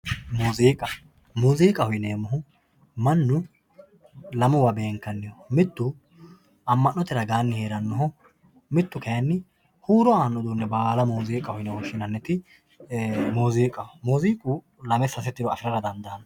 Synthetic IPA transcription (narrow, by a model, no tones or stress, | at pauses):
muːziːkʼɐ | muːziːkʼɐhʊjneːmːʊɦʊ | mɐnːʊ | lɐmʊwɐbe̞ːŋkːɐnːɪjɔmɪt̪ːʊ | ɐmːɐnːɔt̪ɛɾɐɡaːnːɪheːɾɐnːɔɦɔ | mɪt̪ːʊkɛjɐnːɪ | huːɾɔaːnːɔd̪uːnːɛbaːlɐmuːziːkʼːɐhʊjnɛwɔʃːɪnɐnːɛt̪ɪ | moːziːkʼɐmuːziːkʼʊ | lɐmɛsːɐs̬ɛt̪ːɪd̪ɔɐ̰fɪɾɐɾɐd̪ɐnd̪ɐɐn